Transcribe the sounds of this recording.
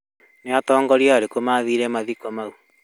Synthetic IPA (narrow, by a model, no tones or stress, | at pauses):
neatɔːŋɡɔɾjaaɾekomaðiɾɛmaðikɔmau